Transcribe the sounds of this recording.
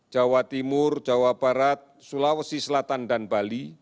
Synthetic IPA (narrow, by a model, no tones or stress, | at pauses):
d̥d͡ʒ̥awat̪imʊrd͡ʒawab̥aɾat̪̚sulawəsisəlat̪anɖanb̥ali